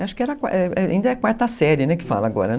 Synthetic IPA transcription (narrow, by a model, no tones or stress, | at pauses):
aʃʊ̥kɪɛɾɐka̰ʔɛɛa̰ĩd̪ɐɛkwaɾt̪ɐsɛɾɪnɛkɪ̥fa̰lɐaɡɔ̰ɾɐ